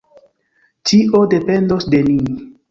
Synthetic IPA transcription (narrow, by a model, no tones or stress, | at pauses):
t͡ʃiʔo̞de̞pe̞ndosde̞ni